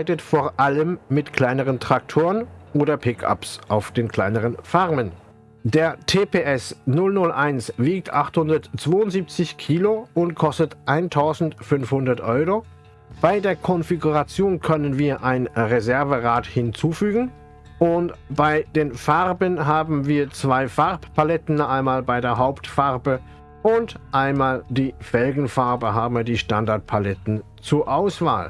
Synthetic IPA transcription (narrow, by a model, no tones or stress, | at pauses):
ɪtətfoːɐʔaləmːɪtkʰl̥aɪnəʁəntʁ̥ak̚tʰoːʁənʔoːdɐpʰɪkʰa̰psʔaʊfd̥eːnkʰl̥aɪnəʁənfaʁmən | deːɐtʰeːpʰeːʔɛsnʊlnʊlʔaɪnsv̥iːk̚tʰʔaχthʊndɐtt͡sv̥oːʊntz̥iːp̚t͡sɪçkʰiːloʊntkʰɔstətʔaɪntʰaʊzn̩tfʏnfhʊndɐtʔɔʏʁo | b̥aɪdeːɐkʰɔnfiɡuʁat͡sjoːnkʰœnənviːɐʔaɪnʁezɛɐvəʁaːthɪnt͡suːfyːɡŋ̩ | ʔʊntb̥aɪd̥eːnfaʁbənɦaːbm̩viːɐt͡sv̥aɪfaʁppʰalɛtn̩aɪnmaːlbaɪdeːɐɦaʊptfaʁbə | ʔʊntʔaɪnmaːldiːfɛlɡŋ̩faʁbəɦaːbm̩viɐdiːʃtandaɐt̚pʰalɛtn̩ | t͡suːɐʔaʊsv̥a̰ːl